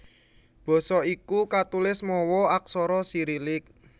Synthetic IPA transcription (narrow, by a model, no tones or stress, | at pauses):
b̥ɔ̤sɔikukat̪ulɪsmɔwɔak̚sɔɾɔsiɾilɪk̚